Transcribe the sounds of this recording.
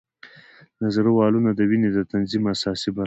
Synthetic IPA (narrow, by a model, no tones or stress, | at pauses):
nazaɾwɑlunad̪əwined̪ət̪anzimasɑsiba